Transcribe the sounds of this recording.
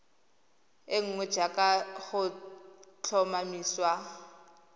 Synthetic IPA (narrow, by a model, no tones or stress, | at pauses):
ɪŋ̩ŋwɛ̥d͡ʒakʼaχʊ | t͡ɬʰɔmamiːswa